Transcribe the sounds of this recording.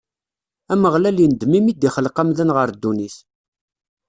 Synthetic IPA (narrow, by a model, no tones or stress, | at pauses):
æməʁlæljənd̪mimid̪iχəlqəmðənʁəɾd̪ːuniθ